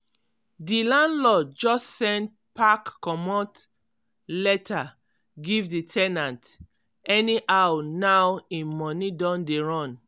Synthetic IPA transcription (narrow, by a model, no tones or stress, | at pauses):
dilãndlɔd͡ʒɔssɛ̃nt | pakːɔmɔt | lɛta | ɡivditʰɛnãnt | ɛniʔawnawĩnmɔnidɔ̃ndeɹɔ̃n